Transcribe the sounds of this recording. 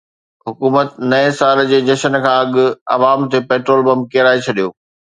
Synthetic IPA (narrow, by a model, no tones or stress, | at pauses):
ɦʊkuːmət̪nɐẽsaːld͡ʑeːd͡ʑɐʃənkʰãːɐɠʊ̆ɐ̰ʋaːmt̪epeːʈɾoːlbɐmb̚keɾaːet͡ɕʰɐɗijo̰ː